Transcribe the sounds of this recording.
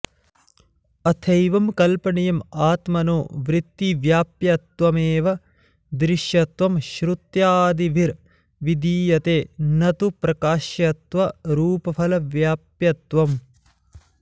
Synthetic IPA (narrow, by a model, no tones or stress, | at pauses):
ɐt̪ʰɐjʋɐmkɐlpɐɳijɐmaːt̪mɐnoːʋɾɪt̪ːiʋjaːpjɐt̪ʋɐmeːʋɐ | d̪ɾɪʃjɐt̪ʋɐmʃɾut̪jaːd̪iʋʱiɾ | ʋid̪iːjɐt̪eːnɐt̪upɾɐkaːʃjɐt̪ʋɐɾuːpɐfʰɐlɐʋjaːpjɐt̪ʋɐm